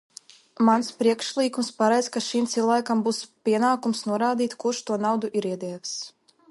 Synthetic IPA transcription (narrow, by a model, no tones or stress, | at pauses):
manspɾiɛkʃlˠiːkumspaɾɛjzkaʃimt̪silˠvajkambuspʲiɛnaːkumsnuɔɾaːd̪iːt̪kuɾʃt̪uɔnawd̪uʔiɾiɛd̪ɛːvs